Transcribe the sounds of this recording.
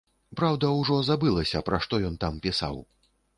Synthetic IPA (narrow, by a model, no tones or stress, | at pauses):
pɾawd̪ɐwʐɔzabɨlˠɐsʲɐpɾaʂt̪ɔjɔnt̪ampʲisa̰w